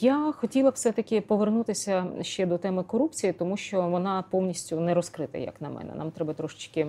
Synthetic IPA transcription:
jaxɔtʲilˠɐfsɛt̪ɐkʲɪpɔʋernut̪ɪsʲɐʃt͡ʃɛd̪ɔt̪ɛmɪkɔɾupt͡sʲijit̪ɔmuʃt͡ʃɔʋɔnɑpɔwnʲisʲtʲʊnɛɾɔskɾɪt̪ɐ̰jɐ̰knɐmɛ̰nɛ̰nɑ̰mt̪ɾɛbɐt̪ɾɔʃɪ̥t͡ʃkɪ

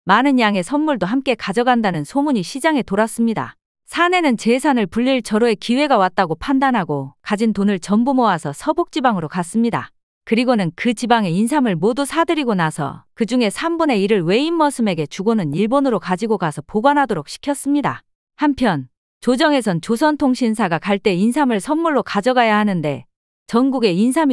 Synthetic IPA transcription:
manɯnjaŋe̞sʰʌnmuɭdoɦamk͈e̞kad͡ʑʌɡandanɯnsʰomuɲiɕʰid͡ʑaŋe̞toɾas͈ɯmɲida̰ | sʰane̞nɯnt͡ɕe̞sʰanɯɭpuʎːiɭt͡ɕʌɾoe̞kiwe̞ɡawat̚t͈aɡopʰandanɦaɡokad͡ʑintonɯɭt͡ɕʌmbumoasʰʌsʰʌbok̚t͡ɕ͈ibaŋɯɾokas͈ɯmɲida̰ | kɯɾiɡonɯnkɯt͡ɕibaŋe̞ins̬ʰamɯɭmodusʰadɯɾiɡonasʰʌ̰kɯd͡ʑuŋe̞sʰambune̞iɾɯɭwe̞imːʌsʰɯme̞ɡe̞t͡ɕuɡonɯniɭbonɯɾokad͡ʑiɡokasʰʌpoɡanɦadoɾok̚ɕʰi̥kʰjʌs͈ɯmɲida̰ | hampʰjʌn | t͡ɕod͡ʑʌŋe̞sʰʌnt͡ɕosʰʌntʰoŋɕʰinsʰaɡakaɭt͈e̞insʰamɯɭsʰʌnːuɭːokad͡ʑʌɡajahanɯnde̞̰ | t͡ɕʌŋɡuɡe̞insʰami

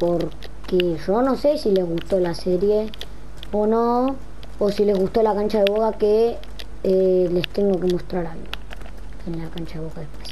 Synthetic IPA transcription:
po̞ɾ | keʒo̞no̞se̞sile̞zɣust̪o̞laseɾje | ono̞ | osile̞zɣust̪o̞lakant͡ʃaðeβokake | le̞st̪e̞ŋɡo̞ke̞mo̞st̪ɾaɾalɣo̰ | enlakant͡ʃaðeβokaðehpwes

